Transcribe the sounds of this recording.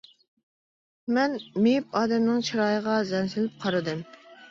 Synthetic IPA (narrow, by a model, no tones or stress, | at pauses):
mɛnmep̚ɑːd̪ɛmnɨŋt͡ʃʰiɾɑːjəʁɑzɛnsɪlɪp̚qʰɑɾɨd̪ɨm